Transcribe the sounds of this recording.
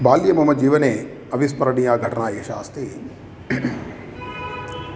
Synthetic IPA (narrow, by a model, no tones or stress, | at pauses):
baːljɐmɐmɐd͡ʒiːʋɐneː | ɐʋispɐɾɐɳijaːɡʱɐʈʰɐnaːeːʃa̰ːst̪iː